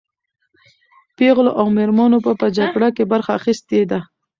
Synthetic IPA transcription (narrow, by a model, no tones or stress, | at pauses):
peɣloʔawmeɾmɑnopəpəd͡ʒaɡɽakebaɾxaːxɪst̪ed̪a